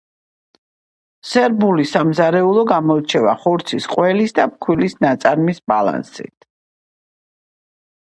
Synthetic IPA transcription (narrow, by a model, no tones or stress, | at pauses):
sɛɾbulisamzaɾɛulˠɔɡamɔt͡ʃʰɛvaχɔɾt̪sʰisqʼwɛlisd̪ap̚kʰwilisnat̪sʼaɾmisbala̰nsḭt̪̚ʰ